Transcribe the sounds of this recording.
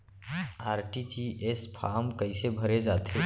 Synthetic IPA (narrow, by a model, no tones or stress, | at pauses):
aːɾʈid͡ʒiʔespʰaːmkəɪsebʱəɾed͡ʒaːt̪ʰe